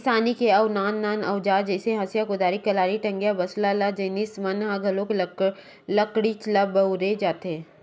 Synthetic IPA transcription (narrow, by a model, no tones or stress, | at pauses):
saːnikeɐʊnaːnːaːnɐʊd͡ʒaːd͡ʒɛːseɦɐsjakʊd̪aːɾikɐlaːɾiʈɐ̃ŋɡjabɐslalad͡ʒɐnismɐnɦãɡʱɐlõk | lɐkɽit͡ʃlabɐʊɾed͡ʒaːt̪e